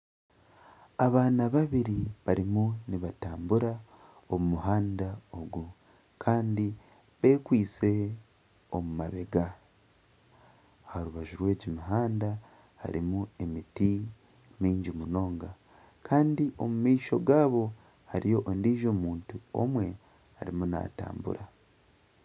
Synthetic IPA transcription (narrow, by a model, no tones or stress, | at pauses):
aβaːnaβaβiɾiβaɾimuniβataːmbuɾa | omumuɦaːndao̞ɡu | kʰaːndi | βe̞kwiːt͡se̞ | omumaβe̞ɡa | haɾuβaʒuɾwe̞ːɟimiɦaːnda | ha̰ɾḭmue̞miti | miːɲɟimuno̞ːŋɡa | kʰaːndiʔo̞mumiːʃo̞ɡaːβo̞ | haɾijo̞ʔondiːʒo̞ːmuːntuo̞̰mwe̞ | ha̰ɾḭmuna̰ta̰ːmbṵɾa